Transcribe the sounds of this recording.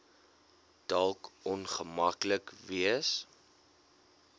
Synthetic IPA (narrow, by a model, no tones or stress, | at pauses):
d̥ɐlˠkɔnχəmɐkləkviəs